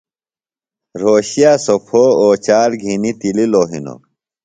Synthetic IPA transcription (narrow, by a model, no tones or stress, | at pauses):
ɾoːɕijaːsopʰoːoːt͡ɕaːɾɡʱinit̪ililoːɦḭno̰